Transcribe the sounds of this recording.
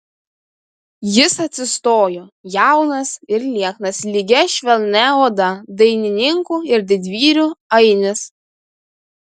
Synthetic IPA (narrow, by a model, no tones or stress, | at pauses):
jɪsɐt̪ʲsʲɪst̪oːjoːjæˑʊnɐsɪɾlʲiɛknɐslʲiɡʲɛʃʲʋʲɛlʲˠnʲɛoːd̪ɐd̪ɐɪnʲɪnʲɪŋkuːɪɾd̪ʲɪd̪ʲʋʲiːɾʲuːɐɪnʲɪs